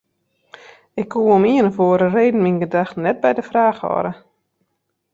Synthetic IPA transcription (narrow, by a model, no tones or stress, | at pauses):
ɪkʰːuːomiənəfoəɾəreːdn̩minɡədaxtnɛt̚bɛjdəfraːxhɔ̰ɾə